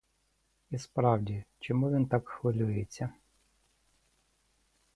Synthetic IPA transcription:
ispɾɑwdʲit͡ʃɔmuʋʲint̪ɑkxʋɐlʲujet͡sʲːɐ

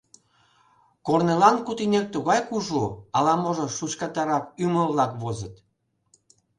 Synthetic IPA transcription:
kornelɑnkut̪inʲek̚t̪uɣɑjkuʒuɑlɑmoʒoʃut͡ɕkɑt̪ɑɾɑkyməβlɑkβozət̪

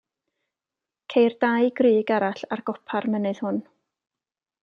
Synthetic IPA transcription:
kʰejrd̥ajɡrɨːɡaɾaɬarɡ̥ɔpʰarmənɨð̥hʊn

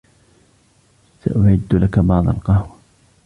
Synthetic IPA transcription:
sa̰ʔʊʕɪd̪ːlakabɑːd̪ˤɑlqɑhwa

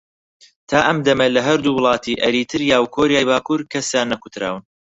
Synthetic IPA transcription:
t̪ʰaːʔɐmd̪ɐmɐlɐɦɐɾd̪uːwʊlˠɑːt̪ʰiʔɐɾiːt̪ʰɨɾjaːwkʰoːɾijaːjbaːkuɾkʰɐsjanːɐkut̪ɾa̰ːwɨn

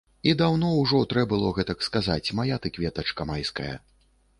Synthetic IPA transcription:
id̪awnɔwʐɔt̪ɾɛbɨlˠɔɣɛt̪ɐkskazat͡sʲmajat̪ɨkvʲɛt̪ɐt͡ʂkɐmajskɐjɐ̰

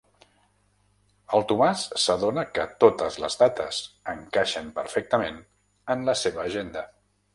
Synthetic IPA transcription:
əlˠt̪umasːəðonəkət̪ot̪əzlə̰zdat̪əsəŋkaʃəmpəɾfɛk̚t̪əmen | ənləseβəːʒend̪ə

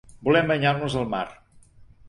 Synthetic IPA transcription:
bulɛmbəɲarnuzəlˠma̰r

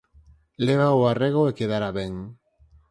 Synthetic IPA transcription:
leβ̞aoareɣ̞oekeðaɾaβeŋ

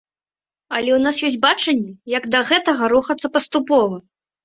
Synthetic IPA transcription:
ɐlʲɛwnasjɔsʲbat͡ʂɐnʲːɛjɐɡd̪ɐɣɛt̪ɐɣɐɾuxɐt̪sːɐpɐst̪upɔvɐ

